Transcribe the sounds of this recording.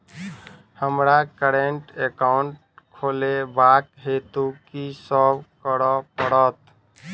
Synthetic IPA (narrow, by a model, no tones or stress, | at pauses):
həmɾakəɾeɳʈekaʊɳʈ̚ | kʰolebakɦet̪ukisəbkəɾɔpəɽɔt̪